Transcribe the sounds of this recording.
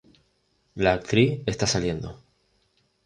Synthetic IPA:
laːk̚t̪ɾie̞st̪asalje̞nd̪o̞

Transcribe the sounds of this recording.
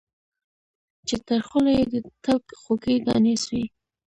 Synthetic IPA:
t͡ʃet̪əɾxʊlajed̪ət̪alkxokəjd̪ɑ̰neswi

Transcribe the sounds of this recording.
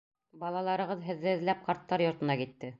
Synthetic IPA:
bɑlˠɑlˠɑɾɤ̆ʁɤðɦɘ̆ðːɘɘ̆ðlæp̚qɑɾt̪ːɑɾjŏɾt̪ɤ̆nɑkit̪ːɘ

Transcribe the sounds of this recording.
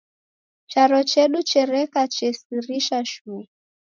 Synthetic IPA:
t͡ʃaɾɔt͡ʃɛɗut͡ʃɛɾɛkat͡ʃɛsiɾiʃaʃu

